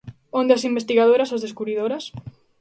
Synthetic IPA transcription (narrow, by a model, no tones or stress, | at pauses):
õnd̪ɪɐsimbest̪iɣaðoɾɐsazðeskuβɾiðoɾɐs